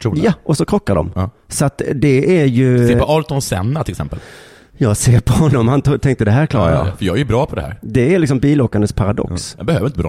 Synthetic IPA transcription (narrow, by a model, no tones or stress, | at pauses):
t̪ʰɾuːjaʔɔsɔkʰɾɔkːaɖɔ̰mː | sɔat̪d̪ɛæɾjɵseːɔɑːɾt̪ɔnsɛ̰nːat̪ʰɪlɛksɛ̰mpə̰l | jɑːɡseːɾpʰɔhɔnːɔmhant̪ːt̪ʰɛŋkt̪əd̪ɛɦæːɾkʰlɑːɾa̰ɾjɑ̰ːfœɾjɑːɡæɾjʉbɾɑːpʰɔd̪ɛhæ̰ɾd̪ɛæɾlɪksɔmbiːloːkːand̪əspʰaɾad̪ɔ̰kssbɛhøːəɾɪnt̪əbɾɑ̰